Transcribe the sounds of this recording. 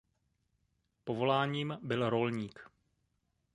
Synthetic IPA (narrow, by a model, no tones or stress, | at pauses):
po̞vo̞laːɲiːmbɪlɾo̞lɲiːk